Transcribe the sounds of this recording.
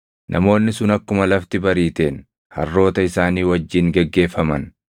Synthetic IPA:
nʔɐmo̞ːnːɪsʊnɐkːʊmɐlɐft̪ɪbɐɾiːt̪e̞ːn | hɐ̰rːo̞ːt̪ɐɪsaːniːwɐd͡ʒːiːŋɡɛɡːe̞ːfːɐmɐn

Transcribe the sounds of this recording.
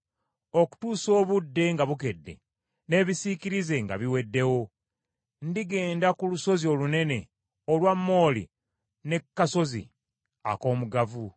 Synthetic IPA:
o̞ku̥tuːso̞ːβudːe̞ŋɡaβuke̞dːe̞̰ | ne̞ːβisikiɾize̞ŋɡa̰βiwe̞dːe̞wo̞ | ndiɡe̞ːndakuluso̞zio̞lune̞ne̞ | olwamːo̞ːlḭ | ne̞kːaso̞zḭ | a̰ko̞ːmuɡavu

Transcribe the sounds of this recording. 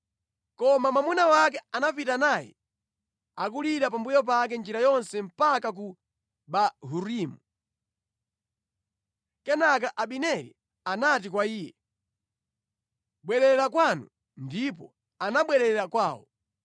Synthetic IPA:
kɔmamamunawak̬ɛanapitanaːjɛ̰ | ak̬uliɗapambujɔp̬ak̬ɛnd͡ʒiɾajɔnsɛm̩pakak̬u | ɓaɦuɾimu | kɛnak̬aʔaɓinɛɾḭ | anat̬ikwaiːjɛ | ɓwɛɾɛɾɛɾakwanu | ndip̬ɔ | anaɓwɛɾɛɾɛɾakwaːwɔ

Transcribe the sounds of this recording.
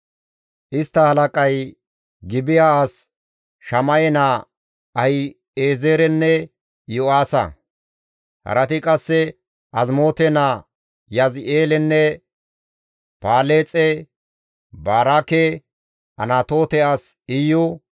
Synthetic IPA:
ʔɪst̪ːɐhɐlɐkʼɐj | ɡɪbɪjaːs | ʃɐmɐjɛnaː | ɐjɪ | eːzeːɾɛnːɛ | jʊaːsɐ̰ | hɐ̰ɾɐt̪ɪkʼɐsːɛ | ʔɐzmo̞ːt̪ɛnaː | jɐzɪeːlɛnːɛ | paːleːt͡sʼɛ | baːɾakɛ | ʔɐ̰naːt̪o̞ːt̪ɛaːsɪjʊ

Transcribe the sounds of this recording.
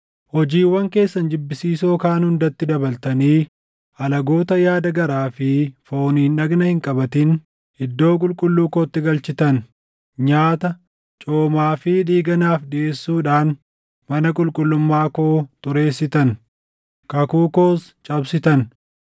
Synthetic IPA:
hɔd͡ʒiːwːɐŋke̞ːsːɐnd͡ʒɪbːɪsiːso̞ːkaːnhʊnd̪ɐt̪ːɪd̪ɐbɐlt̪ɐniː | ɐlɐɡo̞ːt̪ɐjaːd̪ɐɡɐɾaːfɪfo̞ːniːnᶑɐɡnɐhɪŋkʼɐbɐt̪ɪn | ɪd̪ːo̞ːkʼʊlkʼʊlːuːkoːt̪ːɪɡɐlt͡ʃɪt̪ɐn | ɲaːt̪ɐ | t͡ʃʼoːmaːfɪᶑiːɡɐnaːfᶑɪʔe̞ːsːuːᶑaːn | mɐnɐkʼʊlkʼʊlːʊmːaːkoːt̪ʊɾe̞ːsːɪt̪ɐn | kɐkuːkoːst͡ʃʼɐbsɪt̪ɐn

